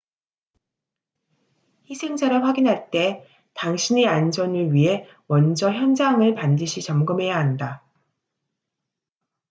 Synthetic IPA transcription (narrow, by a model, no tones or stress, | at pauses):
çisʰe̞ŋd͡ʑaɾʌɸwaɡinɦaɭt͈e̞ | taŋɕʰineand͡ʑʌnɯɭɥiɦe̞ | wʌnd͡ʑʌçjʌnd͡ʑaŋɯɭpandɯɕʰit͡ɕʌmɡɯmɦe̞jaɦanda